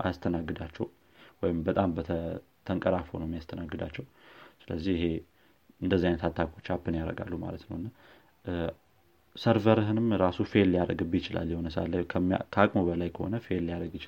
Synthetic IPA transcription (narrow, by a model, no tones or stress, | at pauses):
ʔajast̪ʰənaɡːɨd̪at͡ʃːɛw | wɔjɪmbət̪ʼambət̪ʰə | t̪ʰəŋkʼəɾafonəwmjast̪ʰənaɡːɨd̪at͡ʃːɛwsɨləzːihɪɦe̞ | ɨnd̪əzːiajnət̪ʰat̪ʰːakʰʼo̞t͡ʃːapːɨnjaɾə̰ɡa̰lːuma̰lət̪nə̰wɨnːa | səɾfəɾɦɨnɨmɾasufe̞lːjaɾəɡɨbːijɪt͡ʃɪla̰lːjɛhonəsa̰lːəkʰəm̰ːkʰakʼmobəlajkʰəho̞̰nəfelːijaɾəɡjt͡ʃ